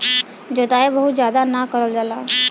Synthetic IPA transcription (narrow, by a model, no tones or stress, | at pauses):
d͡ʒod̪aːebəɦʊt̪zjaːd̪anakəɾəld͡ʒalaː